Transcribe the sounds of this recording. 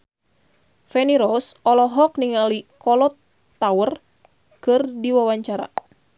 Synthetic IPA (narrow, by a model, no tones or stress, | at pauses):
fɛniɾɔsɔlɔɦɔk̚niŋalikʰɔlɔt̪ː | awər | kɨrdiwawaɲt͡ʃaɾa̰